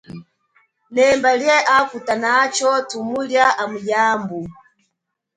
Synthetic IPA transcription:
nɛmbaliɛʔafutanat͡ʃɔtʰumuljaʔamujaːmbu

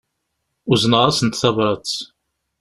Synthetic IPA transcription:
uznəʁɑsənt̪θɑvɾˤɑt͡s

